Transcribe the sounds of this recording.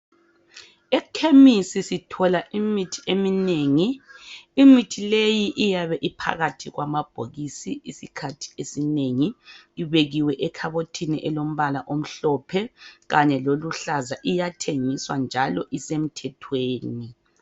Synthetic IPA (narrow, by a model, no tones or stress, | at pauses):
ɛkʰemisisitʰɔlaʔimitʰiʔemineŋiː | mitʰilejiʔijaβɛʔipʰa̰ɣatʰiɣwamab̥ʱoɣisiisikʰatʰi̥esineŋiːβeɣiwɛʔɛkʰaβotʰiniʔɛlom̩βalaʔom̩ɬɔpʰɛɣaɲɛloluɬazaʔijatʰeŋiswand͡ʒʱalɔʔisem̩tʰɛtʰweːni